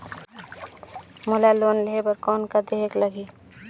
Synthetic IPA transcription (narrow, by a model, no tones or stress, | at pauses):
mʊlaloːnleɦebəɾkɔːnkad̪eɦekləɡiː